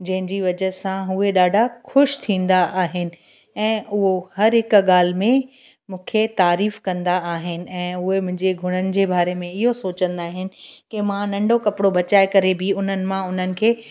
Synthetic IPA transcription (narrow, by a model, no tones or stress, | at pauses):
d͡ʑɐ̃ɦɪ̃ɲd͡ʑiʋɐd͡ʑəɦsãɦʊɦeɗaːɖʱaxʊʃt̪ʰĩːnd̪aʔaːɦɪnɪ̆ | ɛ̃ːʊɦohɐɾɦɪkɠaːl̤ɪmẽ | mũːkʰet̪aːɾiːfkɐ̃nd̪aaːɦɪnɪ̆ɛ̃ːʊɦemʊ̃ɦɪ̃ɲd͡ʑeɡʱʊɽ̃ənɪ̆d͡ʑeːbaːɾemẽɪɦosoːt͡ɕə̃nd̪aːɦɪnɪ̆kɪmãnɐ̃ɳɖʱokɐpɪɽobʱɐt͡ɕaːekɐɾebɪʊn̤ənɪ̆mãʊn̤ənɪ̆kʰeː